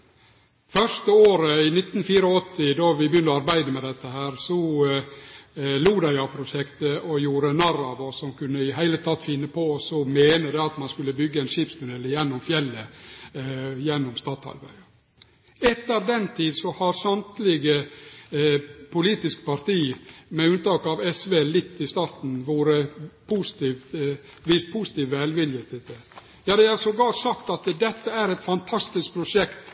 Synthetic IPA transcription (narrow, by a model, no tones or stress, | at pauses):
fœʂt̪əoːɾəɪnɪt̪ːnfiːɾɔɔt̪ʰːɪd̪ɔʋɪbjʏnɔɑɾbæɪd̪əmɛd̪ɛt̪ːəhæːɾsɔ | luːd̪ɑɑpʰɾʊʃɛkt̪əɔjuːɾənɑɾɑʋɔsɔmkʉnːəɪɦæɪlət̪ʰɑt̪ːfɪnːəpʰɔsɔmeːnəd̪ɛɑt̪mɑnskʉlːəbʏɡːəɛɪnʂiːpsmʊd̪ɛlːəjɛnːɔmfjɛlːə | jɛnːɔmst̪ɑːt̪ʰɑ̰lbæ̰ɪə | ɛt̪ːəɾd̪ɛnt̪ʰiːd̪sɔhɑɾsɑnt̪lɪɡə | pʰʊliːt̪ɪskpɑɾt̪iːmɛʉnt̪ɑːkɑʋɛsʋeːlɪt̪ːɪst̪ɑːɾt̪n̩ʋoːɾəpʰusɪ̥t̪iʋ | ʋɪst̪̚pʰuːsɪ̥t̪iːʋælʋɪljeːt̪ɪt̪ə | jɑːd̪ɛæsɔɡ̪ɑːʈ̪sɑkt̪ɑt̪d̪ɛt̪ːəæɾɛt̪fɑnt̪ʰɑst̪ɪsk̚pʰɾʊʂɛkt̪